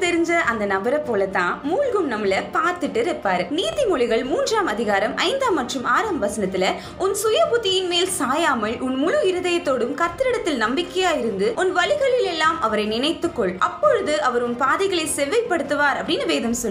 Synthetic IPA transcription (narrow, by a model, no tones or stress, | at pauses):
t̪ɛɾɪɲd͡ʒɐʔɐnd̪ɐnɐbɐɾɐpːoːlɐt̪ːãːmuːlɣɯmnɐmːɪlɐpaːɾt̪ɯʈːɯɾɛpːaːɾɯniːðimɔɭɪɣɐɭmuːndraːmɐðɪɣaːɾɐmʔɐ̰ɪnd̪aːmːɐʈrɯmaːɾaːmbɐʋɐsɐnɐt̪ːɪlɐ | ʊnsʊjɐpʊðɪjɪnmeːlsaːjaːmɐɭʊnmʊɻʊɪɾɯðɐjɐt̪ːoːɽɯmkɐt̪ːɯɾɪɽɐt̪ːɪlnɐmbɪkːɐjaːjɪɾɯnd̪ɯʔɔnʋɐɭɪɣɐɭɪlɛlːaːmʔɐʋɐɾɐɪnɪnɐɪt̪ːɯkːɔɭʔɐpːɔɻɯðɯʔɐʋɐɾʊnpaːðɐɪɣɐɭɐɪsɛʋːɐɪpːɐɽɯt̪ːɯʋaːɾɐpːɐɽɪnɯʋeːðɐmsɔ